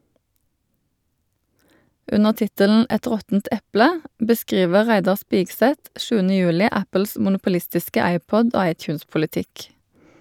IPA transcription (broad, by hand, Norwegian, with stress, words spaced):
ˈʉnəʁ ˈtɪtəln̩ ˈɛt ˈʁɔtn̩t ˈʔɛplə bəˈskʁiːʋə ˈʁæɪdɑʁ ˈspiːɡˌsɛt ˈʃʉːənə ˈjʉːlɪ ˈʔæpəls mʊnʊpʊˈlɪstɪskə ˈæɪˌpɔd ˈoː ˈɑɪˌtjʉːnspʊləˌtɪk